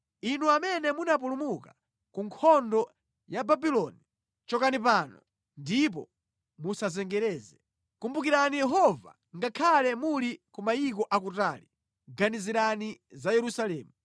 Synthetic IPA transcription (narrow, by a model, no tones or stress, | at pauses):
inuamɛnɛmunap̬ulumuka | kuŋkʰɔndɔ | jababilɔni | t͡ʃɔkanip̬aːnɔ | ndip̬ɔ̰ | musazɛŋɡɛɾɛːzɛ | kumbukiɾanijɛɦɔva̰ | ŋɡakʰalɛmulikumaik̬ɔʔakutaːli | ɡaniziɾanizajɛɾusalɛːmu